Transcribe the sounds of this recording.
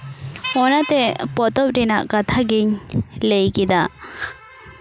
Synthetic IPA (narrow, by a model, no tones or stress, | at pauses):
ɔnat̪ɛpɔt̪ɔp̚ɾɛnaʔkat̪ʰaɡiɲlejkɛd̪a